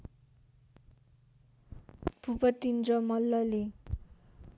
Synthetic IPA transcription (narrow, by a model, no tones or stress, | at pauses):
pupʌt̪ːind͡zʌmʌlːʌli